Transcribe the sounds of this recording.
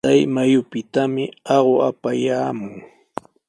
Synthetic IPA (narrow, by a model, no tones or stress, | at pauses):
ajmajʊpɪt̪amɪɑɢoapajaːmʊŋ